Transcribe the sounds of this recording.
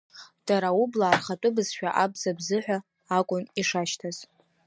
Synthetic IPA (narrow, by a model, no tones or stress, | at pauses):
d̥aɾaublaːrχatʷʼʊbɨz̥ʃᶣaʔabzabzɨħʷᶣaː | kʷʼʊniʂaʃtʰaz̥